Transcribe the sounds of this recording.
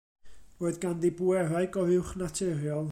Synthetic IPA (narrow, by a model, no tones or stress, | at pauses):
roːɨðɡandibuɛɾajɡɔðɪwχnatʰɛɾjɔlˠ